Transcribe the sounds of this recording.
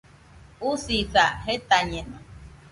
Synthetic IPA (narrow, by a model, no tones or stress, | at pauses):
usisaɦet̪aɲẽnã